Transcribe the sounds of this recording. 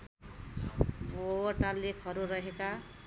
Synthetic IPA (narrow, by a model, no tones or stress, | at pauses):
boʈalekʰʌɾuɾʌɦeka